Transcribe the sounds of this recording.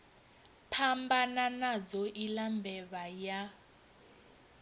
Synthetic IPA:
pʰambananad͡zɔʔilambɛβaja

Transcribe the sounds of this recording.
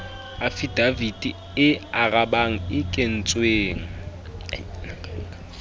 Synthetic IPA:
afid̥avidʼi | ɪaɣʼaɓaŋ̩ɪkʼen̩t͡sʼweːŋ̩

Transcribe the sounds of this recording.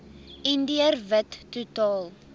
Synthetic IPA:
indiərvətːutɑːlˠ

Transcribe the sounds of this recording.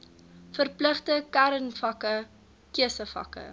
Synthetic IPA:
fərpləχtəkæɾənfɐkə | kiəsəfɐ̰kə̰

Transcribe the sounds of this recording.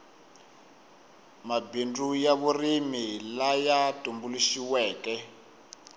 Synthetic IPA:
mabindujaβurimilajatʼumbuliʃiwɛːkɛ

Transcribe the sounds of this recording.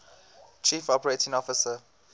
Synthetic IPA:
t͡ʃʰiːfɔpəɹetɪ̃ŋɔfɪsə

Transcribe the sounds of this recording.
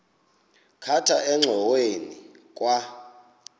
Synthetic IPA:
kʰatʰaʔɛŋ͡ǁʱɔweni | k̬ʼwa

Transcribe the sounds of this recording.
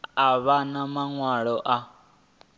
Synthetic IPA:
aβanamaŋwaɺɔʔa

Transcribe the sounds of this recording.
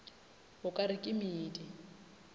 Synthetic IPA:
hʊkʼaɾɪkʼɪmiːdɪ

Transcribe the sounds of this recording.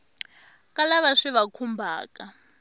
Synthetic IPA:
kʼalaβaʂiβakʰumbʱa̰ːka

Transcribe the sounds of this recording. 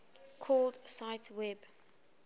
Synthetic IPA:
kʰɔldsaɪtʰwɛb

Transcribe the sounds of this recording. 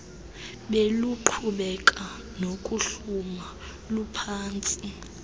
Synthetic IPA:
ɓeluǃʰuɓɛk̬ʼa | nokʼuɬuma | lupʰaːnt͡sʼi

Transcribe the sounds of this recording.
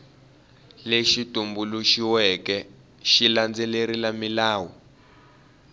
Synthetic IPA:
leʃitʼumbuluʃiwɛkɛ | ʃiland͡zɛleɾilamilaːwɔ

